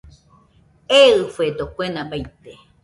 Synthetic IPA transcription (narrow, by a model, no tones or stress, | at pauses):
eɨfed̪okʷenãbajt̪e